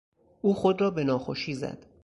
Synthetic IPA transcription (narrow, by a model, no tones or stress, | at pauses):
ʔuːxod̪rɒːbe̞nɒːxoʃiːzæ̰d̪̥